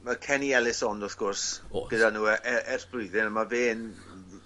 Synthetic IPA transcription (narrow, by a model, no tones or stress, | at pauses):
makʰɛniɛlˠɪsɔnɔθɡ̥ʊrsɡ̥ədanuːɛʔɛɛr̥b̥rʊɨðɪnəmaveːn